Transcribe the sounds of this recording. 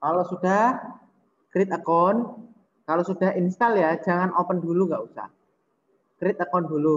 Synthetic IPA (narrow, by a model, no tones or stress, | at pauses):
kalosuda | kɾɪt̪̚əkɔn | kalosud̥aɦinst̪aljḁd͡ʒaŋanʔopənduluŋɡaʔusa̰h | kɾɪt̪̚əkɔndulu